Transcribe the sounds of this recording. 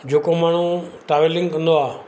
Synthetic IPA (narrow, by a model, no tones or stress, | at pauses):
d͡ʑoːkomaːɳ̤ũʈaːʋelɪ̃ŋɡkɐ̃nd̪oaː